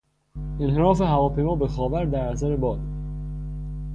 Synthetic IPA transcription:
enheɾɒːfe̞ɦævɒːpʰejmɒːbexɒːvæɾd̪æɾæs̬æɾebɒːd̪̥

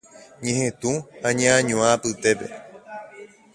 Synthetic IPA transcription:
ɲẽhẽt̪ũhaɲããɲõãpɨt̪e̞pe̞̰

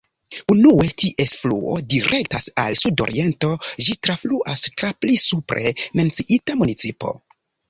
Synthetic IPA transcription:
unuetiʔesflṵo̞̰diɾʔe̞ktasa̰lsudo̞̰ɾie̞nto̞d͡ʒitɾafluʔastɾaplisupɾʔe̞me̞nt͡siʔitamunit͡sipo̞̰

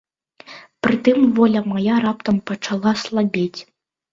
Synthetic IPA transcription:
pɾɨt̪ɨmvɔlʲɐmajaɾap̚t̪ɐmpɐt͡ʂalˠaslˠabʲet͡sʲ

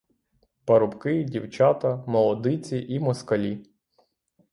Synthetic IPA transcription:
pɐɾʊpkɪdʲiwt͡ʃɑt̪ɐmɔlˠɔd̪ɪt͡sʲiʔimɔskɐlʲi

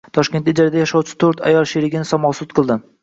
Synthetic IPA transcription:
t̪ʰɒʃkʲe̞nt̪ɪd͡ʒaɾad̪ajaʃɒwt͡ʃʰɪ̥t̪ʰoɾt̪ʰa̰jɒlˠʃeɾɪɡʲɪnɪsɒmɒsʊt̪̚qʰɨlˠd̪ɪ

